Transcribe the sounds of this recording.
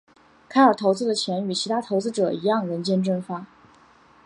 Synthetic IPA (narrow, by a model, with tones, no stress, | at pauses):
kʰa˥ɪə˞˨˩t̪ʰo˧˥ʊt͡sɹ̩˥d̪ə˨t͡ɕʰjɛ˧˥ny˨˩t͡ɕʰi˧˥t̪ʰa˥t̪ʰo˧˥ʊt͡sɹ̩˥ʈ͡ʂɤ˨˩i˧˥jɑ˥˩ŋɻə˧˥nt͡ɕjɛ˥nʈ͡ʂə˥ŋfa˥